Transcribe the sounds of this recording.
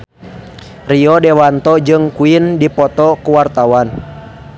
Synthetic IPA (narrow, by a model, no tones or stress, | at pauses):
riɔdɛwant̪ɔd͡ʒɨŋkuindipɔt̪ɔkuwart̪awan